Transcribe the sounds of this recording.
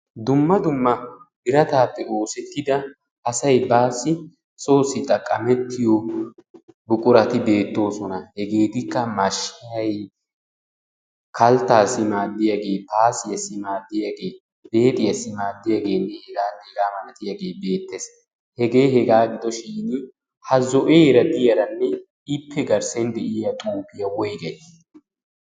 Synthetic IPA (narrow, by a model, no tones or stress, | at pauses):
d̪ʊmːɐd̪ʊmːɐb̥ɪɾɐt̪aːpːɛo̞ːsɛt̪ːɪd̪ɐ | ʔɐsɐjbaːsːɪ | sʼo̞ːsɪt̪ʼɐkʼɐmɛt̪ːɪjɔ | bʊkʼʊɾɐt̪ɪbe̞ːt̪ːo̞ːsɔnɐhɛɡe̞ːt̪ɪkːɐmɐʃɪjɐj | kɐlt̪ːaːsɪmaːd̪ːɪjaɡe̞ːpaːsɪjɐsɪmaːd̪ːɪjaɡe̞ː | b̥e̞ːt̪ʼɪjɐsːɪmaːd̪ːɪjaɡe̞ːnːɛhɛɡaːnɛɡaːmɐnɐt̪ɪjaɡe̞ːbe̞ːt̪ːes | hɛɡe̞ːhɛɡaːɡɪd̪ɔʃiːnɪ | hɐzɔʔeːɾɐd̪ɪjɐɾɐnːɛ | ɪpːɛɡɐɾsɛnd̪ɛʔɪjɐt̪ʼuːpɪjɐwɔjɡɐj